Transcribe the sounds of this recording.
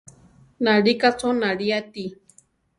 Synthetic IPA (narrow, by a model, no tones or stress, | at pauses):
naɺikat͡sonaɺiat̪i